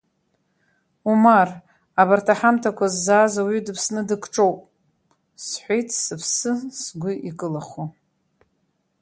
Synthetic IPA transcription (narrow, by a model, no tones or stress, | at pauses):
umar | abartʰaħamtʰakʷazːaːzawidɨpʰsnɨdɨkʰʷʼʈ͡ʂʼowpʼ | sħʷejtʰʼsɨpʰsɨsɡʷʊʔikʼɨlaχo